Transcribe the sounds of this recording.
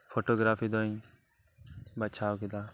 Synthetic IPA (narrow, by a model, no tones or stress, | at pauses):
fʰoːʈoːɡɾaːfʰiːd̪oːĩː | bat͡ʃʰaːokɪd̪aː